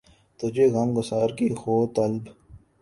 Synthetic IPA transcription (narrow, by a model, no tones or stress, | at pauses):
t̪od͡ʒeɣɐmɡʊsaːɾkixoːt̪ɐlb